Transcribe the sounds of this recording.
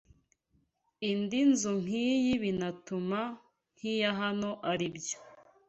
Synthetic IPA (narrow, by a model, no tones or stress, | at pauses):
indinzum̥hiːjiβinatuma | n̥hijaɦano̞ʔaɾibjo